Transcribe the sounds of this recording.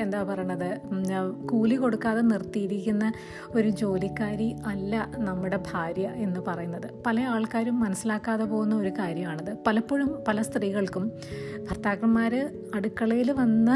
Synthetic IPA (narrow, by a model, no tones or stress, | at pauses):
e̞nd̪aːpɐrɐjunːɐðɨ | kuːliko̞ɽukːaːðenirt̪ːijiɾikʲːunːɐ | o̞ɾud͡ʑo̞ːlikːaːɾiɐlːɐnɐmːuɽe̞bʱaːɾjɐʔe̞nːɨpɐrɐjunːɐðɨpɐlɐaːɭkaːɾumːɐnɐsːilaːkːaːðepo̞ːɣunːɐo̞ɾukaːɾjɐmaːɳɐðɨpɐlɐpːoɻumpɐlɐst̪riːɣɐɭkum | bʱɐrt̪aːkrɐmːaːɾɨ | ɐɽukːɐɭɐjiluʋɐnːɐ